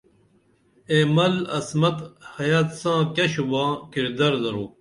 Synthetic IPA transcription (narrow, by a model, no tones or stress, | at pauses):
eːmɐlɐsmɐt̪hɐjaːt̪sãːkɐɕubãːkiɾd̪ɐɾzɐɾuː